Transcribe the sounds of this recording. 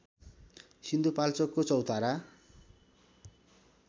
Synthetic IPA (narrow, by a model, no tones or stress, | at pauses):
sind̪upalt͡sʌkːot͡sʌwt̪aɾa